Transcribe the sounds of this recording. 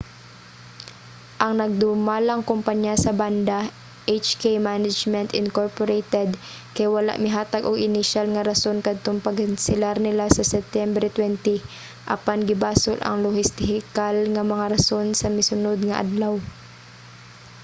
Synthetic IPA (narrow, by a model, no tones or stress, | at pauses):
ʔɐŋnɐɡ̚d̪ʊmalɐŋkʊmpaɲjasɐband̪a | ʔejt͡ʃkejmanad͡ʒmɛnt̪ɪnkoɹpoɾejt̪ɛd̪ | kɐjwɐla̰ʔmɪɦaːt̪aɡoɡɪnɪʃalŋɐɾɐso̞nkɐd̪̚t̪oŋpɐɡɪnsɪlaɾnɪlasɐsɛp̚t̪jɛmbɾɛt̪wɛnt̪ɪ | ʔɐpanɡɪbaːsʊlʔɐ̰ŋlohɪst̪ɪɦɪkalŋɐmɐŋaɾɐso̞nsɐmɪsʊnod̪̚ŋɐʔɐ̰d̪law